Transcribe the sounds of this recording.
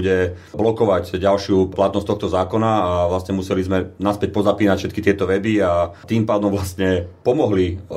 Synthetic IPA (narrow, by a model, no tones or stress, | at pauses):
ɟɛ | blɔkɔʋaɟɟalʃɪulat̪nɔst̚t̪ɔxt̪ɔzaːkɔnaːʋlasɲɛmusɛlizmɛnaspɛc̚pɔzapiːnacfʃɛt̪kit̪ɪɛt̪ɔʋɛbiat̪iːmpaːd̪ɔmʋlast̪ɲɛpɔmɔɦli